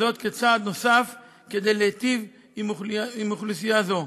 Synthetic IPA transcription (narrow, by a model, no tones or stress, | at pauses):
o̞t̪ket͡saːd̪no̞saf | ked̪ejleet̪iv | mimuχlisijazo̞